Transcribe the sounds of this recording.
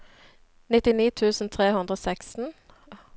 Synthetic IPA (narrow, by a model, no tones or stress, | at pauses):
nɪt̪ɪniːt̪ʰʉːsn̩t̪ʰʁeːhʉnd̪ʁəoːsækst̪n̩